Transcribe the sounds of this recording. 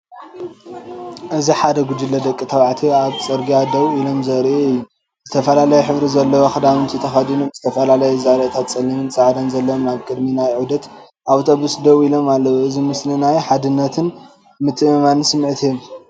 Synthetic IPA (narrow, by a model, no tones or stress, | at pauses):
ʔɨziħad̪ɐɡud̪ɨlːɐd̪ɐkʼːit̪ʰɐβʕat̪ʰiaβt͡sʼɐɾɡijad̪ɐβuilo̞mzɐɾiʔɨjːu | zz̥ɨt̪ʰɐfɐlalɐjɛħɨβɾizɐlːɐwoxɨd̪amɨnt̪ʰit̪ʰɐxɐd̪inomzɨt̪ʰɐfɐlalɐjɛzaɾɐt̪ʰat̪sʼɐlːimɨnt͡sʼaʕd̪ɐnzɐlːɐwmaβkʼɨd̪minajʕud̪ɐt̪ | ʔawt̪ʰo̞βusd̪ɐβilo̞malːɐwuɨzimɨslinajħad̪ɨnːɐt̪ʰɨn | mɨt̪ʰːɨɨmansɨmʕɨt̪ʰijom